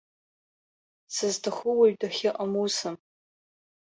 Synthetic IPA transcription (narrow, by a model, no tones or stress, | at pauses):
sɨztʰaχʷʊwaɥdaχʲɪʔamusɨm